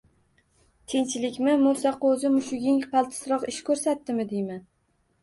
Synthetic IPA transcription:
t̪ʰent͡ʃʰɪlɪkʲmɪmʊsɑqɵzɪmʊʃʊɡʲɪŋqʰɑlˠt̪ʰɪ̥sɾɒqɪʃkʰɵɾsat̪ːɪmɪd̪ejman

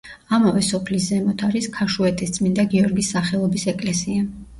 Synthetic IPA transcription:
amavɛsɔpʰliszɛmɔt̪ʰaɾiskʰaʃuɛt̪ʰist̪sʼmind̪aɡiɔɾɡisːaχɛlˠɔbisɛkʼlɛsia

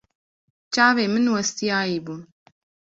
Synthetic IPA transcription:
t͡ʃaːveːmɨnwɐst̪ijaːjiːbuːn

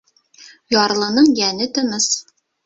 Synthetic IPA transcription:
jɒɾlˠɤ̆nɤɴjænɘt̪ɤ̆nɤs

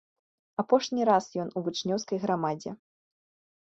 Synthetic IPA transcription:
apɔʂnʲiɾasjɔnuvut͡ʂnʲɔwskɐjɣɾamad͡zʲɛ

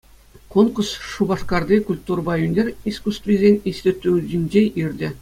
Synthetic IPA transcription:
konkusʂubɑʂkɑrd̪ʲekulʲt̪urbɑjunʲerʲiskust̪vʲizʲenʲisʲtʲĕt̪ʲːuʑɘ̆nʲd͡ʑeʔirʲdʲɘ̆

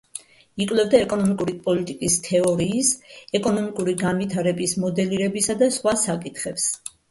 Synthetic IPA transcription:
ikʼwlɛvd̪aɛkʼɔnɔmikʼuɾipʼɔlit̪ʼikʼist̪ʰɛɔɾiːsɛkʼɔnɔmikʼuɾiɡanvit̪ʰaɾɛbismɔd̪ɛliɾɛbisad̪asχwasakʼit̪ʰχɛps

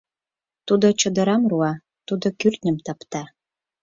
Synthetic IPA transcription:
t̪ud̪ot͡ɕɤ̆d̪ə̆ɾɑmruɑ | t̪ud̪okyrt̪ʲnʲə̆mt̪ɑpt̪ɑ

